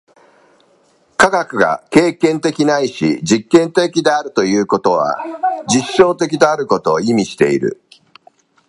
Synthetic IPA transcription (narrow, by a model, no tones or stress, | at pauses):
kaɡakɯ̟ɡa̰ke̞ːkẽ̞nt̪e̞kʲinaiɕḭd͡ʑikːẽ̞nt̪e̞kʲid̪e̞aɾɯ̟t̪o̞jɯ̟ːko̞t̪o̞βa̰d͡ʑiɕːo̞ːt̪e̞kʲid̪e̞aɾɯ̟ko̞t̪o̞ːimʲiɕi̥t̪e̞̰iɾɯ̟̰